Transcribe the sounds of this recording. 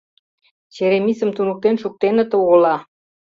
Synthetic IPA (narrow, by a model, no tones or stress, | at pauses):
t͡ɕeɾemisə̆mt̪unə̆k̚t̪enʃuk̚t̪enə̆t̪oolɑ